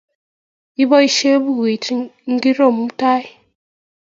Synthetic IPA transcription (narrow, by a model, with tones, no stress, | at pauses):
i˦bɔ˦i˦ʃe˦bu˦˨ɣi˨˦ŋ̩˦ɡi˦ɾo˦˨m˦ta˦i˦